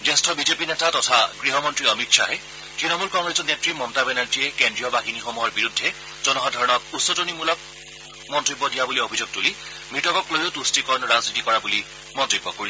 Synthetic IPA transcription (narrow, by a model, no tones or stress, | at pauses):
zɛstʰɔbizepinɛtatɔtʰaɡɹiɦɔmɔntɹiɔmikʃʰaɦɛ | tɹinɔmulkɔŋɡɹesɔnetɹimɔmtabɛnaɹd͡ʒiɛkendɹijɔbaxinixomuɦɔɹbiɹudʱːɛ | zɔnɔɦɔdʱɔɹɔnɔkusːɔtonimulɔk̚ | mɔntɹibːɔdijabuliobʱizuɡ̚tuli | bʱɹitɔkɔklojotustikɔnɹaznitikɔɹabuli | mɔntɹibːɔkoɹil